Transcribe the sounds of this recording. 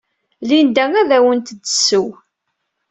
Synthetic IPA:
lind̪æŋæðæwənt̪d̪ːəsːəw

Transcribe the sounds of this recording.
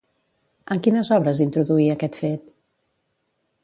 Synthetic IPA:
əŋkinəzɔβɾəzint̪ɾuðuiəkɛt̪fet̪

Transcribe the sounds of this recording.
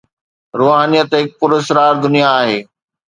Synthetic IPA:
ɾoːɦaːnijət̪ɦɪk̚pʊɾɪsɾaːɾd̪ʊnijaːɦeː

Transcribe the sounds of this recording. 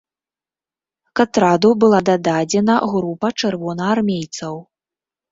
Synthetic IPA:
kat̪ɾad̪ubɨlˠad̪ad̪ad͡zʲɛnɐɣɾupɐt͡ʂɨrvɔnɐːrmʲejt̪sɐw

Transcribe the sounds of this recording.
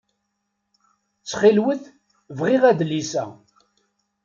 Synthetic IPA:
t͡sːχilwəθ | vʁɪʁæðlisæ̰

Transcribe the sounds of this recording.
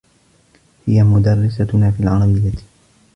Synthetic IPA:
hɪjamʊd̪arːɪsanaːfiːalʕaɾˤɑbɪjːat̪

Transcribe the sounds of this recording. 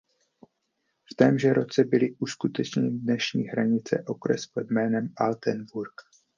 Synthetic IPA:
ft̪ɛːmʒɛɾo̞t͡sɛbɪlɪʔuskut̪ɛt͡ʃɲɛɲɪdnɛʃɲiːɦɾaɲɪt͡sɛ̰ʔo̞kɾɛ̰spod̪mɛːnɛmalt̪ɛnvuɾk

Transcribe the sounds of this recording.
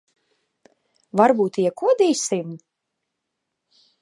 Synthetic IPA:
vaɾbuːt̪iɛkuɔd̪iːsim

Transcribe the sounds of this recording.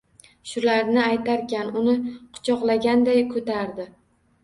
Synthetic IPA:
ʃʊlaɾnɪajt̪aɾkʲanʊnɪqʰʊ̥t͡ʃʰɒqlˠaɡʲand̪ajkʰɵt̪ʰaɾd̪ɪ

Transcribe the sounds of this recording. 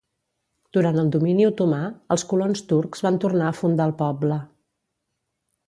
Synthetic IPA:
d̪̥uɾant̪əlˠd̪uminiut̪umaəlˠskulonst̪uɾkz̥βant̪urnaəfund̪aəlˠpɔblə

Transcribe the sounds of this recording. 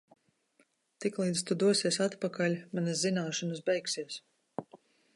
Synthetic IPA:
t̪iklˠiːd̪st̪ud̪uɔsiɛsat̪pakalʲmanazinaːʃɔnɨsbɛjksiɛs

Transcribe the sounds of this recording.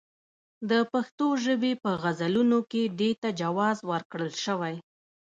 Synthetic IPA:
d̪əpaxt̪oʒəbepəɣazalunoked̪et̪ad͡ʒawɑzwəɾkɽəlʃəwaj

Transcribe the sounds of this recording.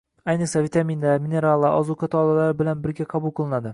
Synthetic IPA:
ajnɨqsavit̪ʰaminlaɾmine̞ɾalˠːaʔɒzukʰat̪ʰɒːlˠalaɾɪbɪlanbɪɾɡʲaqʰɑbulˠqʰɨlˠɪnad̪ɪ

